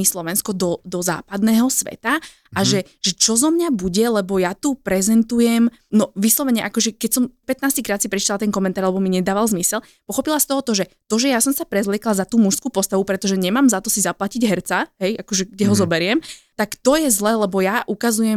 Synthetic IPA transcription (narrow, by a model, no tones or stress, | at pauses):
islɔʋɛnskɔd̪ɔd̪ɔza̰ːpad̪nɛːɦɔsʋɛ̰t̪a | ʔaʒɛ | ʒ̥ɛt͡ʃɔzɔmɲabuɟɛlɛbɔjat̪upɾɛzɛnt̪ujɛm | nɔʋislɔʋɛɲɛʔakɔʒɛkɛcsɔmpɛt̪naːscikɾaːt̪sipɾɛt͡ʃit̪alat̪ɛnkɔmɛnt̪aɾlɛbɔmiɲɛd̪aːʋalzmisɛl | pɔxɔpilast̪ɔɦɔt̪ɔʒɛt̪ɔʒɛjasɔmsapɾɛzlɪɛklazat̪uːmuʃskuːpɔst̪aʋupɾɛt̪ɔʒɛɲɛmaːmzat̪ɔsizaplaciɟɦɛɾt͡saɦɛjʔakɔʒɛɡ̚ɟɛɦɔzɔbɛɾɪɛmt̪akt̪ɔjɛzlɛːlɛbɔjaʔukazujɛm